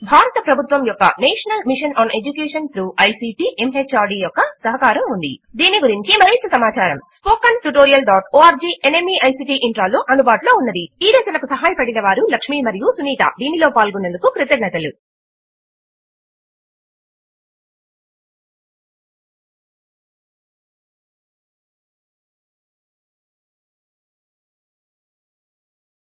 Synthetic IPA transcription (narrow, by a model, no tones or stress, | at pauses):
bʱaːɾɐt̪ɐpɾɐbʱut̪ʋɐmjɔkːɐ̰neːʂɐnɐlmiʂɐnʔaːne̞d͡ʒukeːʂɐnt̪ɾuːʔɐjsiːʈiːʔemɦet͡ʃːaːɾɖiːjɔkːɐsɐɦɐkaːɾɐmund̪ḭd̪iːnːiɡuɾiɲt͡ʃimɐɾeːt̪ːɐsɐmaːt͡ʃaːɾɐ̰mspoːkɐnʈuʈoːɾijɐlɖaːʈoːaːɾd͡ʒiːʔenemiɐjsiːʈiːʔiɳʈɾaːloːʔɐnd̪ubaːʈulo̞ːunːɐd̪iiːɾeːsɐnɐkusɐɦaːjɐpɐɽinɐʋaːɾulɐkʂmiːmɐɾijusuniːt̪ɐ̰d̪iːnilo̞ːpaːlɡunːend̪ukukɾit̪ɐɡnɐt̪ɐlṵ